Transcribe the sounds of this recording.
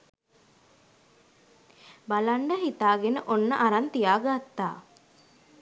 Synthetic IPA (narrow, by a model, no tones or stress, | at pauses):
balaɳɖəɦit̪aːɡenəʔonːəʔaɾant̪ijaːɡat̪ːa̰ː